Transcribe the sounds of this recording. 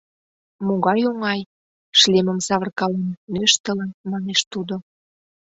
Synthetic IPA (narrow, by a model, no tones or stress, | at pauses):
moɣɑjoŋɑj | ʃlemə̆msɑβərkɑlenmøʃt̪ələnmɑneʃt̪ud̪o